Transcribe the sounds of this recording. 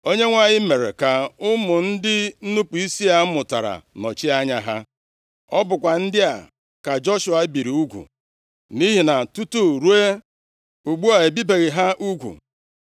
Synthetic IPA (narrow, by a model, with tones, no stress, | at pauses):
o˦ɲe˦ŋʷa˦ɲɪ˦me˨ɾe˨ka˨ʊ˦mʊ˨n̩˦dɪ˦nu˦pu˨i˦si˦a˨˦mʊ˨ta˨ɾa̰˨nɔ̰˨t͡ʃi˦a˦ɲa˦ɦa˦ | ɔ˦bʊ˨kʷa˨n̩˦dɪ˦a˨ | ka˨d͡ʒɔ˦ʃʊ˨a˨˦bi˨ɾi˨u˦ɡʷṵ˨ | ni˦ɦi˨na˨tu˦tu˦ɾu˦e˦ | u˨ɡ͡bu˦a˨e˨bi˦be˨ɣɪ˨ɦa˦ʔu˦ɡʷṵ˨